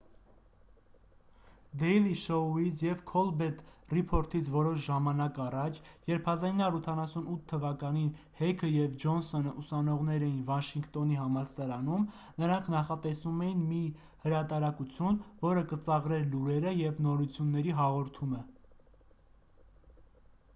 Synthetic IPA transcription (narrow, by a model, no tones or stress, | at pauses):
d̪ɛjliʃɔit͡sʰjɛvkʰɔlbɛt̪ripʰɔɾt̪ʰit͡sʰvɔɾɔʃʒɑmɑnɑkɑrɑt͡ʃʰjɛɾpʰɑzɑninɑɾut̪ʰɑnɑsunut̪ʰːəvɑkɑni | hɛkʰəjɛvd͡ʒɔnsɔnəʔusɑnɔʁnɛɾɛjinvɑʃiŋkt̪ɔniɦɑmɑɾsɑɾɑnum | nəɾɑŋkʰnɑχɑt̪ɛsumɛjinmi | həɾɑt̪ɑɾɑkut͡sʰjunvɔɾəkət͡sɑʁɾɛɾluɾɛɾəjɛvnɔɾut͡sʰjunːɛɾiɦɑʁɔɾt̪ʰumə